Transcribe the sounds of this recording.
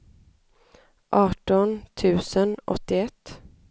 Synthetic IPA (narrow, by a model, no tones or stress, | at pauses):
ʔɑːʈɔnt̪ʰʉ̟ːsənʔɔ̰t̪ːɪɛt̪ː